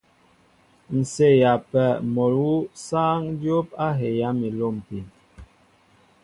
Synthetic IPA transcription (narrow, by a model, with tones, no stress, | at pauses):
n̩˨se˦˨ja˨pɛ˨mo˨ɾu˦saː˦ŋdjo˦p̚a˦ɦe˨ja˦mi˨lo˦˨m˨pi˨n